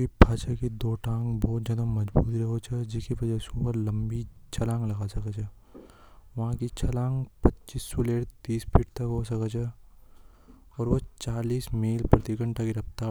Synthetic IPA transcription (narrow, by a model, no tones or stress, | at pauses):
ibʱaːt͡ʃakid̪oːʈãːŋɡbɔːt̪̚d͡ʒɐnəmːɐd͡ʒbṵːt̪ɾɐɦot͡ʃʰɐd͡ʒɪkibɐd͡ʒaːsuːpəɾlɐmbit͡ʃʰɐlãːŋɡlɐɡasɐkat͡ʃʰɐ | ʋɐɦãkit͡ʃʰɐlãːŋɡpɐtːt͡ʃiːsːuleːɽt̪iːspʰɪʈt̪ɐkɦoːsɐkat͡ʃʰɛ | ɔːɾʋot͡ʃaːliːsmeːlpɾɐt̪ikə̃ɳʈakiɾɐpt̪aː